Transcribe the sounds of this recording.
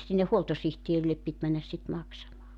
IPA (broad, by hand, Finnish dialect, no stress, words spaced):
sinːe huoltosihtierilːep pit mænːæs sit mɑksɑmɑː